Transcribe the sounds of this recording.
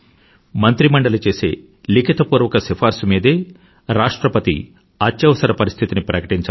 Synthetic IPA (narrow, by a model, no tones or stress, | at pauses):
mɐnt̪ɾimɐɳɖɐlɐt͡ʃe̞ːse̞̰ː | likʰit̪ɐpuːɾʋɐkɐsipʰaːɾsumiːd̪eː | ɾaːʂʈɾɐpɐt̪ḭ | aːt͡ʃːjɐʋɐsɐɾɐpɐɾist̪ʰit̪inipɾɐkɐʈiɲt͡ʃa